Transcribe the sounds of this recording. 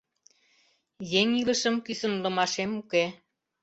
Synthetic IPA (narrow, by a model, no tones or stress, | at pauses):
jeŋiləʃəmkysənlə̆mɑʃemuke